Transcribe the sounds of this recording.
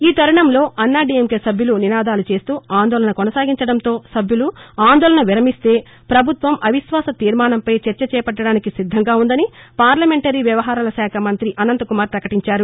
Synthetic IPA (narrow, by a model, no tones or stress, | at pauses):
iːt̪ɐɾɐɳɐmlo̞ːʔɐnːaːɖiemkesɐbʱjuluninaːd̪aːlut͡ʃe̞ːst̪uːaːnd̪ɔːlɐɳɐkɔnɐsaːɡiɲt͡ʃɐɽɐnt̪o̞ːsɐbʱjuluaːnd̪ɔːlɐɳɐʋiɾɐmist̪e̞ː | pɾɐbʱut̪ʋɐmʔɐʋiʃʋaːsɐt̪iːɾmaːnɐmpɐjt͡ʃɐɾt͡ʃɐt͡ʃɛːɐpɐɖːɐɽaːnikisid̪ʱːɐŋɡaːund̪ɐnipaːɾlɐme̞ɳʈɐɾiːʋjɐʋɐɦaːɾalɐsaːkʰɐmɐnt̪ɾiʔɐnɐnt̪ɐkumaːɾpɾɐkɐʈiɲt͡ʃaːɾu